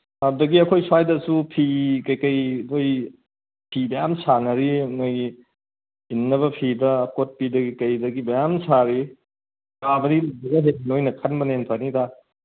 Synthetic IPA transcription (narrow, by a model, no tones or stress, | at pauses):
adudɐɡiɐkʰojswajdɐsupʰikɐjkɐjdoj | pʰibɐjamsanɐɾinojɡi | inːɐβɐpʰidɐːkot̚pidɐɡikɐjdɐɡibɐjamsaɾi | ɡabɐɾilɐbɐɡɐɦen̚inojnɐkʰɐnbɐnenpʰanida